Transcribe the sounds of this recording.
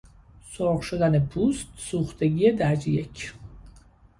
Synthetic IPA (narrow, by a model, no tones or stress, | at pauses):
soɾɣʃod̪ænepʰuːst̪suːxt̪ʰeɡiːed̪æɾd͡ʒijecʰ